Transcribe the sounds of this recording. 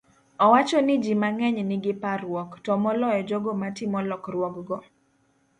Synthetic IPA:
ɔwat͡ʃɔnɪd͡ʒimaŋɛɲnɪɡɪparwɔktɔmɔlɔjɔd͡ʒɔɡomatɪmɔlɔkrwɔkɡɔ

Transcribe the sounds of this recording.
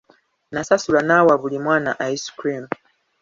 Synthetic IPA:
nasasulanawaβulimwanaʔaisu̥kɾinu

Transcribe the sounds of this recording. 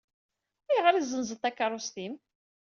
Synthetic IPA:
ijʁəɾizənzəθækːəɾˤust̪im

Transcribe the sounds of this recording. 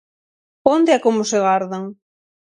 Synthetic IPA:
ond̪eakomʊseɣaɾðaŋ

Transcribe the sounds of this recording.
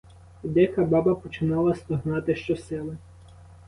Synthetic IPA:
d̪ɛkɐbɑbɐpɔt͡ʃɪnɑlˠɐst̪ɔɦnɑt̪ɪʃt͡ʃɔsɛlˠɛ

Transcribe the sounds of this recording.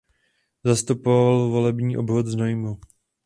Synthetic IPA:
zast̪upovalvo̞lɛbɲiːʔo̞bvot̪znojmu

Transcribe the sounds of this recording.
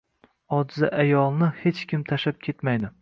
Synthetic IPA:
ɒd̪zɪʔajɒlˠnɪhe̞t͡ʃkʲɪmt̪ʰaʃap̚kʲʰe̞t̪majd̪ɪ

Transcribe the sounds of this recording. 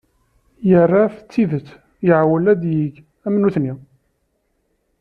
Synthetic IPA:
jərˤːaft͡sːiðət͡sː | jəʕwəlæd̪jiɡ | æmənuθni

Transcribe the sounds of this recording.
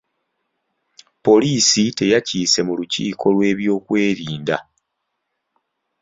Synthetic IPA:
po̞liːsite̞jaciːse̞mulucḭːkʰo̞lwe̞ːβjo̞ːkwe̞ːɾiːnda̰

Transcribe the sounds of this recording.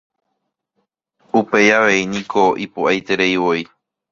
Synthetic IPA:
upe̞jaʋe̞inĩkʰo̞ʔipuʔajt̪e̞ɾe̞iwoi

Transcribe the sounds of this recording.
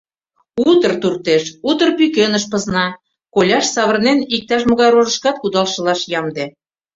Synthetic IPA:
ut̪ərt̪urt̪eʃut̪ərpykenəʃpɤ̆znɑ | kolʲɑʃsɑβə̆rnenik̚t̪ɑʃ̬mŏɣɑjɾoʒə̆ʃkɑt̪̚kud̪ɑlʃɤ̆lɑʃjɑmd̪e

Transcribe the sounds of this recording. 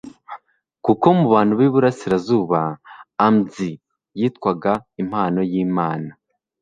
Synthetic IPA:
kuko̞muβaːn̥huβiːβuɾasiɾazuːβaːmzi | jiːtkwaɡaim̥haːno̞jiːmaːna

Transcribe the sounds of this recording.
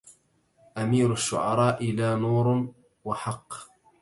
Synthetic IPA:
ʔamiːɾaʃːʊ̰ʕɑɾˤɑːʔɪlaːnuːɾ | wɑħɑqː

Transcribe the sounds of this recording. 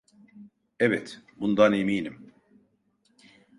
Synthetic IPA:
ɛvɛt̪bund̪anemiːnim

